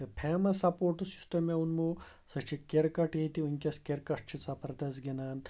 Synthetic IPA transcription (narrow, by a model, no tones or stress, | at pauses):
ɐpʰeːmɐsɐpoːʈusi̥st̪ɐmeunmoː | sɐt͡ʃʰikeɾkɐʈeːt̪iunʲkʲɐskʲeɾkɐʈt͡ʃʰit͡sɐpɐɾd̪ɐz̬ɡʲinaːn